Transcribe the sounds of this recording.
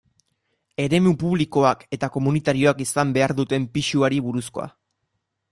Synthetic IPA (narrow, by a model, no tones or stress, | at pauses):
e̞ɾe̞mupuβ̞liko̞ake̞t̪ako̞munit̪aɾio̞akisambe̞aɾðut̪e̞mpiʃuaɾiβuɾusko̞̰a̰